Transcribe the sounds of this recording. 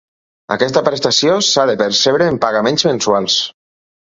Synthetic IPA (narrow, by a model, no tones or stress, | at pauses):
a̰kɛst̪əpɾest̪asjosaðepeɾseβɾeːmpaɣamẽnzmẽnsualˠs